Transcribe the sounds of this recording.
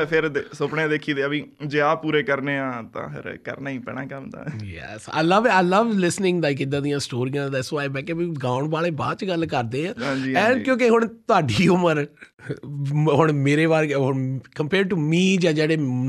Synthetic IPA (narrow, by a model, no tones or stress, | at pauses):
pʰɪɾd̪sʊpɳẽːd̪eːkʰiːd̪eːabĩːd͡ʒeːaːpuːɾeːkəɾneːãːt̪ã̰ːpʰɪ̰ɾkə̰ɾnaːĩːpɛ̰ɳãːkəmd̪a̰ːjɛ̰sa̰ləʋaləʋlɪsnɪ̃ŋɡd̪aːkɪd̪ãːd̪ijãːsʈoːɾijãːd̪aːsʋaːebɛːkebiːɡãːʊɳbaːleːba̰ːd̪t͡ʃɡəlkəɾd̪eːãːɦãːd͡ʒiɛ̃ːnkjõːkeɦʊɳt̪ʊaːɖiːʊməɾ | ɦʊɳmeːɾeːʋaːɾɦɳkəmpeːɾɖʈuːmiːd͡ʒaːd͡ʒeːɽeː